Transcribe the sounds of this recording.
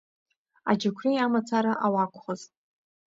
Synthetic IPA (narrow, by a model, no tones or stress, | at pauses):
a̰d͡ʒakʷʰrijamat͡sʰaɾaʔawakʷʰʼχoz